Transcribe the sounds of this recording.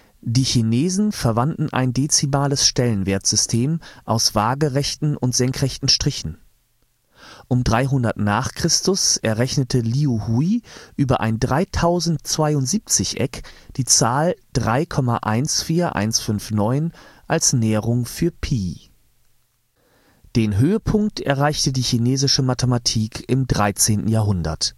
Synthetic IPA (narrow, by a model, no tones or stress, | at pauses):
d̥iːçineːzn̩fɛɐvandn̩ʔa̰ɪndeːt͡simaːləsʃtɛlənveːɐtz̥ʏstʰeːmʔaʊsv̥aːɡəʁɛçtn̩ʊntz̥ɛŋkʁ̥ɛçtn̩ʃtʁ̥ɪçn̩ | ʔʊmdʁaɪɦʊndɐtnaːχkʁ̥ɪstʊsʔɛɐʁɛçnətʰəliːuhuiʔyːbɐʔa̰ɪndʁaɪtʰaʊzn̩tt͡sv̥aɪʊntz̥iːp̚t͡sɪçʔɛ̰kd̥iːt͡saːld̥ʁaɪkʰɔma̰ʔa̰ɪnsfiːɐʔa̰ɪnsfʏnfnɔʏnʔalsnɛːəʁʊŋfyːɐpʰiː | d̥eːnɦøːəpʰʊŋk̚tʔɛ̰ɐʁaɪçtədiːçineːzɪʃəmatʰəmatʰiːkʰɪmdʁaɪt͡seːnʔn̩jaːɐɦʊndɐ̰t